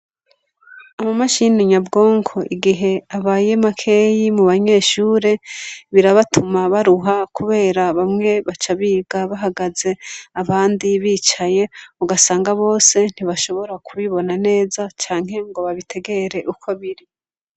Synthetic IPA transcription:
amamaʃiniɲabɡo̞ːŋkʰo̞ʔiɡiɦe̞aβaːje̞makʰe̞jimuβaɲe̞ːʃuːɾe̞βiɾaβatʰumaβaɾuɦakuβe̞ːɾaβamŋe̞βat͡ʃaβiːɡaβaɦaɡaze̞aβaːndiβiːt͡ʃaje̞uɡasaːŋɡaβo̞ːse̞n̥iβaʃo̞βo̞ɾakuβiβo̞nane̞ːzat͡ʃaːŋ̥he̞ŋɡo̞βaβitʰe̞ɡe̞ɾe̞ʔukʰo̞βiɾi

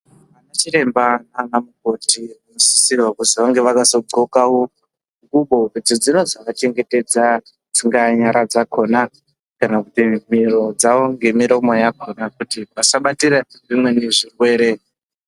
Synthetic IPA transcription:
ʋanat͡ʃiɾe̞mbananamuko̞tʰi | usi̥siʋakusiʋaŋɡe̞ʋakaso̞ɡʱokawo | ŋɡuɓo̞rid͡zid͡zino̞d͡zaʋat͡ʃe̞ŋɡete̞d͡za | d͡ziŋɡaɲaɾʔad͡zakʰo̞ːna | kanakutimiɾo̞d͡zaʋo̞ŋɡe̞miɾo̞mo̞jakʰo̞nakutiʋasaɓatiɾaʐimwe̞neʐirwe̞ːɾe̞

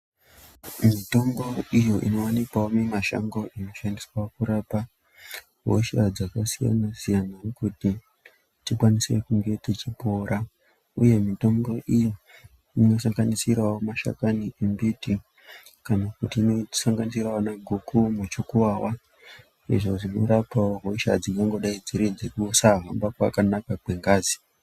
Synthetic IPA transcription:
mito̞mɡo̞ijo̞ʔino̞wanikwaomemaʃa̰ŋɡo̞ʔino̞ʃandiswaokuɾaːpa | ɦoʃad͡zakasija̰nasijanakuti | tikwanisekuŋɡe̞tit͡ʃipoːɾʔa | uje̞mito̞ŋɡo̞ʔijo | ino̞saŋɡanisirawomaʃa̰kaniembiːti | kanakutinoisaŋɡanisirwawonaɡʱukumut͡ʃukuwaːwa | ḭʐo̞ʐino̞̰ɾapawoɦo̞ʃa̰d͡ziŋɡaŋɡo̞ɗaid͡ziɾid͡zekusaɦambakwa̰kanakakwe̞ŋɡaːzi

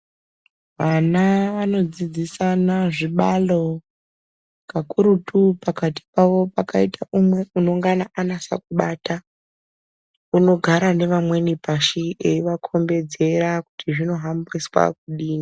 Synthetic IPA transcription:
ʋanaʋano̞d͡zid͡zisanaʐiɓalo̞ | kakuɾutupakati̥paʋo̞pakaitʰaumwe̞uno̞ŋɡanaʔanasa̰kuɓaːta | uno̞ɡʱaɾane̞ʋamwe̞nipaʃieiʋakʰo̞mbe̞d͡ze̞ɾakutiʐino̞ɦambriswa̰k̚uɗiːni

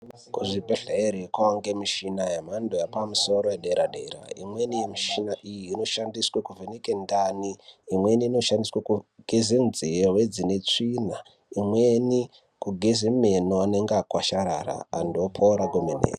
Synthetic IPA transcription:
kuʐibʱeɬeeɾikwaaŋɡemiʃinajem̤andojapamuso̞ɾojeɗeɾaɗḛɾa̰ḭmwe̞nijemiʃinaʔijiːno̞ʃandiswekuvenekendaniːmwe̞niːno̞ʃandiswakuɡ̥ʱezenzijeɦwed͡zine̞t͡ʂina | imweni | kuɡʱezemenoane̞ŋɡakwaʃaɾa̰ra̰ːndopʰoɾaɡomenḛːra

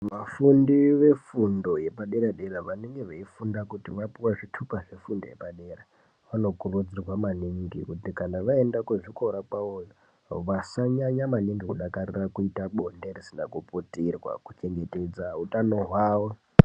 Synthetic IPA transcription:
mafundiʋe̞fundo̞je̞paɗeɾaɗeɾaʋaneŋɡe̞ʋeifundakutiʋapiwaʐitʰukaʐe̞fundoje̞̰paɗe̞ra | ʋano̞kurud͡zirwamaniŋɡikutikanaʋae̞ndakweʐiko̞ɾakaojo | ʋasaɲaɲamaniŋɡikuɗakarirakuitaɓonderisinakuputirwa̰kut͡ʃe̞ŋɡe̞te̞d͡zaɦutano̞ɦwaːʋo

